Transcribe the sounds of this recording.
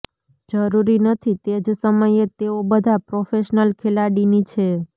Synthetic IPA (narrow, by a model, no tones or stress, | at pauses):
d͡ʒəɾuɾinət̪ʰit̪ed͡ʒsəməjet̪eobəd̪ʱapɾofeʃnəlkʰelaɽinit͡ʃʰe